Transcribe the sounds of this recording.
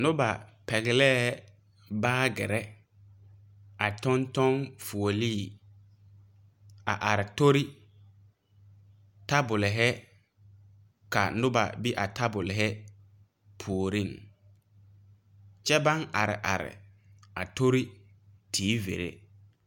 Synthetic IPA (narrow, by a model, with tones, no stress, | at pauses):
nʊ˦ba˨pɛ˨ɣɪ˨lɛː˦ | baː˦ɡɪ˨ɾɛ˦ | a˨tɔ˦ntɔ˦ŋfu˨o˨liː˦˨ | a̰˨ʔa˨ɾɪ˨to˦ɾi˦ | ta˦bʊ˨lɪ˨ɦɛ˦ | ka˨nʊ˦ba̰˨bi˦ʔa˨ta˦bʊ˨lɪ˨ɦɛ˦ | pʰu˨o˨ɾi˦˨ŋ | t͡ʃɛ˦ba˦ŋa˨ɾɪ̰˨ʔa̰˨ɾɪ̰˨ | a̰˨to˦ɾi˦ | tʰiː˨˦vḛ˨ɾḛ˦